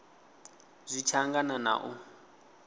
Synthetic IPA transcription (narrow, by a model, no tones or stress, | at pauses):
zʷit͡ʃʰaŋɡanana̰ʔu